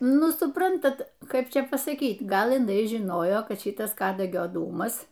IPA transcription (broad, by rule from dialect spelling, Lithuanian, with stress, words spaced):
ˈnʊ sʊˈprɐntɐt ˈkɐɪp ˈt͡ʃʲɛ pɐsɐˈkʲiːt ˈɡɐlˠ ɪˈnɐɪ ʒʲɪˈnoːjoː ˈkɐt ˈʃʲɪtɐs ˈkɑːdɐɡʲoː ˈduːmɐs